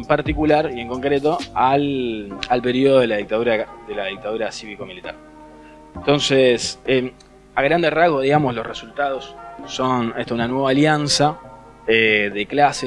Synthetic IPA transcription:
mpaɾt̪ikulaɾie̞ŋko̞ŋkɾet̪o̞alalpe̞ɾioðoelaðik̚t̪aðuɾaðelaðik̚t̪aðuɾasiβiko̞milit̪a̰ɾ | ent̪o̞nsese | aɣɾand̪eraɣoðiɣamoslosresult̪að̞o̞sːo̞neht̪ounanwe̞βaːljansa | eðeklase

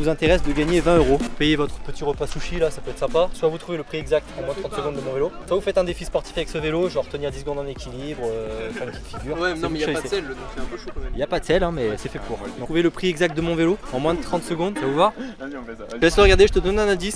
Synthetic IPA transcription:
vuzɛ̃t̪eʁɛsd̪əɡaɲevɛ̃øʁopejevɔt̪χə̥pət̪iʁəpasuʃilasapøɛt̪sɛ̃paswavut̪χuveləpχiɛɡzak̚t̪ɑ̃mwɛ̃t̪χɑ̃t̪səɡɔ̃d̪ːəmɔ̃veloswavufɛt̪ɛ̃d̪efispɔʁt̪i̥favɛksəveloʒɑ̃ʁt̪əniʁd̪isəɡɔ̃d̪ɑ̃nekʲilibʁəfamkʲifiɡʲyʁwɛñsɛɛlːɔ̃sɛ̃pøʃomɛiljapad̪sɛlɛ̃mɛsɛfɛpuːʁd̪ɔ̃uveləpχiɛɡzak̚t̪̚d̪əmɔ̃veloɑ̃mwɛ̃d̪ət̪χɑ̃t̪səɡɔ̃d̪tavuvwaʁ | lɛsləʁəɡaʁd̪eʒət̪əd̪ɔnɛ̃nɛ̃d̪is

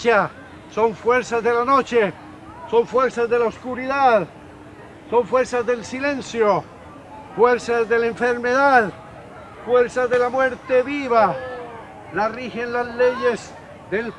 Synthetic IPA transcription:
a | so̞ɱfwe̞ɾsazðe̞lanot͡ʃe | so̞ɱfwe̞ɾsazðe̞laoskuɾiðað | so̞ɱfweɾsazðe̞lsilẽ̞nsjo | fweɾsazðe̞laeɱfeɾmeðað | fweɾsazðelamwe̞ɾt̪eβiβa | larixenlazleʝez | ðel

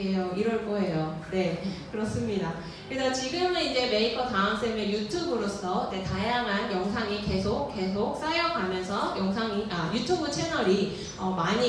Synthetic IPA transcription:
ejoiɾʌɭk͈ʌɦe̞jone̞kɯɾʌs͈ɯmɲida | kɯɾe̞sʰʌt͡ɕiɡɯmɯnind͡ʑe̞me̞ikʰʌtaɯms͈emejutʰubɯɾos͈ʰʌd͡ʑetajaŋɦanjʌŋsʰaŋike̞sʰok̚k͈ːe̞sʰok̚s͈ajʌɡamjʌnsʰʌjʌŋsʰaŋiajutʰubɯt͡ɕʰe̞nʌɾi | ʌmaɲi

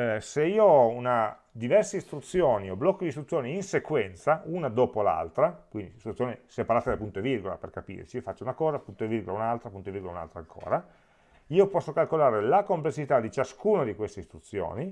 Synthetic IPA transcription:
seiːoɔuna | d̪ivɛrseist̪ɾut̪sːjoːnioblɔkːod̪ist̪ɾut̪ːjoːniːnsekwɛnt̪saunad̪oːpola̰lt̪ɾakwind̪ist̪ɾut̪sːjonesepaɾaːt̪ad̪elpunt̪oevirɡola̰perkapḭrt͡ʃifat͡ʃːounakɔːzapunt̪oevirɡolaunalt̪ɾapunt̪oviɾrɡola̰una̰lt̪ɾaŋkʰo̰ːɾa | iːopɔsːokalkolaːɾelakomplesːit̪ad̪it͡ʃaskuːnad̪ikwest̪eist̪ɾut̪sːjo̰ːni

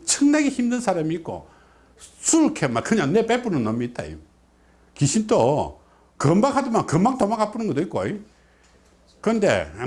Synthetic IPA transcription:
t͡ɕʰɯŋnaɡeçimdɯnsʰaɾamiːk͈o̰ | sʰuɭkʰemakɯɲaŋnep͈ep͈unɯnːʌmiːt̚t͈a̰ḭm | kiɕʰint͈o | kɯmbakɦhadɯmankɯmbak̚tomakʰap͈ɯnɯnŋɡʌtoik͈oi | kɯɾndḛ

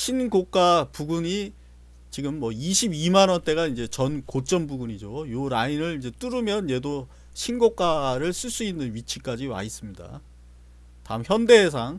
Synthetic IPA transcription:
ɕʰinɡok͈apuɡuɲi | t͡ɕiɡɯmːʌiɕʰibimanʌnt͈e̞ɡaind͡ʑe̞t͡ɕʌnkot͡ɕ͈ʌnbuɡuɲid͡ʑojoɾainɯɭind͡ʑe̞t͈uɾumjʌnje̞do | ɕʰinɡok͈aɾɯɭs͈ɯɭs͈uinːɯnɥit͡ɕʰik͈ad͡ʑiwa̰is͈ɯmɲida̰ | ta̰ɯmçjʌnde̞ɦes̬ʰaŋ

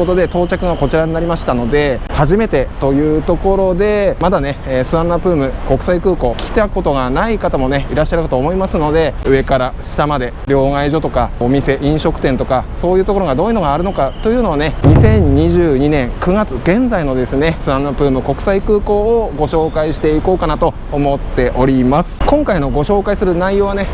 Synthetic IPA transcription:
ot̪o̞d̪e̞t̪o̞ːt͡ɕakɯ̟ɡako̞t͡ɕiɾaɲinaɾʲimaɕi̥t̪ano̞d̪e̞haʑime̞t̪e̞t̪o̞jɯ̟ːt̪o̞ko̞ɾo̞d̪e̞mad̪ane̞ːsɨãnːapɯ̟ːmɯ̟ko̞kɯ̟̥saikɯ̟ːko̞ːkʲi̥t̪eakɯ̥kːo̞t̪o̞ɡanaikat̪amo̞ne̞iɾaɕːaɾɯ̟kat̪oːmoimasɨno̞d̪e̞ɯ̟e̞kaɾaɕi̥t̪amad̪e̞ | ɾʲjo̞ːaiʑo̞t̪o̞kaomʲise̞ʔĩɰ̃ɕo̞kɯ̟̥t̪ẽ̞nt̪o̞kaso̞ːjɯ̟ːt̪o̞ko̞ɾo̞ɡad̪o̞ːiɯ̟no̞ɡaːɾɯ̟no̞kat̪o̞jɯ̟ːno̞βane̞ɲ̟isẽ̞ɲ̟ɲiʑɨːɲinẽ̞ŋkɯ̟ɡat͡sɨ̥ɡẽ̞nd͡zaino̞d̪e̞sɨne̞sɨɾãnːapɯ̟ːmɯ̟ko̞kɯ̟̥saikɯ̟ːko̞ːɡo̞ɕo̞ːkaiɕi̥t̪e̞iko̞ːkanat̪o̞ːmo̞t̪ːe̞ʔo̞ɾʲimasɨ̥kõ̞ŋkaino̞ɡo̞ɕo̞ːkaisɨɾɯ̟naijo̞ːβane̞

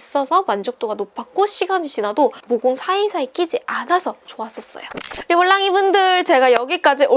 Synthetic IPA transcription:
s͈ʌsʰʌmand͡ʑok̚t͈oɡanop͈ʰak̚k͈oɕ͈ʰiɡaniɕʰinadomoɡuŋsʰaisʰaek͈id͡ʑiʔanasʰʌt͡ɕoas͈ʌs͈ʌ̰joiibʌɭːaŋibundɯɭt͡ɕe̞ɡajʌɡik͈ad͡ʑiʔo

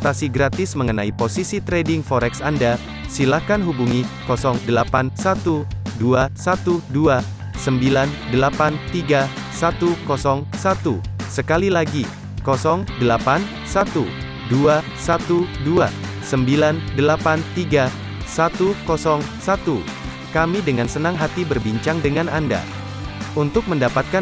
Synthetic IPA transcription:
t̪asiɡɾat̪ɪsməŋənaiposisit̪ɾedɪŋfɔɾɛksanda | silakanɦubuŋikɔsɔŋdəlapansat̪uduasat̪udua | səmbilandəlapant̪iɡa | sat̪ukɔsɔŋsat̪usəkalilaɡi | kɔsɔŋdəlapan | sat̪u | dua | sat̪udua | səmbilandəlapant̪iɡa | sat̪ukɔsɔŋsat̪u | kamidəŋansənaŋɦat̪ibərbiɲt͡ʃaŋdəŋanʔanda̰ | unt̪ʊk̚məndapat̪̚ka

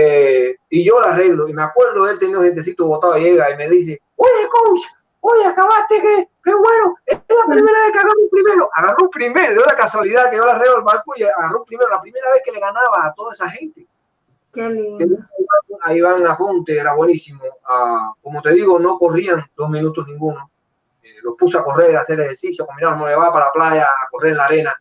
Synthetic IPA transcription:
eiʝo̞lare̞ɣloimeakwe̞ɾðoelt̪enioet̪̬es̬it̪oβot̪aojeβaime̞ðis̬e | ojekowt͡ʃḁ | ojeakaβast̪ekekeβwe̞noelapɾime̞ɾaβehkeaɣaropɾime̞ɾoʔaɣaroupɾime̞ɾoðjoðakaswaliðakejolareɣloelβaɾkujeaɣaroumpɾimeɾolapɾime̞ɾaβehkele̞ɣanaβaːt̪oðaesaxe̞nt̪e | kekenuŋeβaoaiβaŋapont̪eeɾaβwenisimoako̞mot̪e̞ðiɣono̞ko̞riaŋd̪o̞zmĩnut̪oznĩŋɡuno | elo̞spusoako̞re̞ɾaθeɾeheɾsisjakombinaβomojeβaβapalaplaʝaːkoreɾelaɾe̞na

